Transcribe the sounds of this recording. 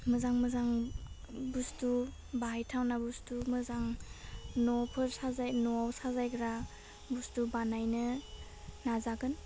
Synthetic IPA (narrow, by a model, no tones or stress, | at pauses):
mɯzaŋmɯzaŋ | bustu | baɦajtʰawnabustumɯzaŋ | nɔpʰɯɾsazajnɔawsazajɡɾa | bustubanajnɯ | nazaɡɯn